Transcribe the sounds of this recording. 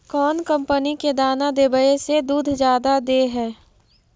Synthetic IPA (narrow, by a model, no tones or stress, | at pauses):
kɔːnkə̃mpəniked̪aːnad̪ebəesed̪uːd̪ʱd͡ʒjaːd̪ad̪eɦɛː